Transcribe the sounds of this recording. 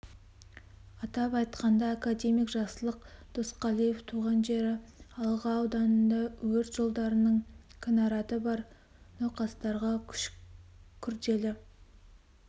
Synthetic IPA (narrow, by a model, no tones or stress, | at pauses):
ɑt̪ɑpɑjt̪qɑnd̪ɑːkad̪e̞mijkʒɑsəlˠəqd̪̥osqɑlˠijeft̪ʰuʁɑnʒe̞ɾɪɑlˠʁɑːwd̪ɑnənd̪ɑwɵɾt̪ʒ̥o̞lˠd̪ɑɾənəɴkʲʰɪnɑɾɑt̪əbɑɾ | noqɑst̪ɑɾʁɑkʲʰʃ | kʲʰʏɾd̪e̞lɪ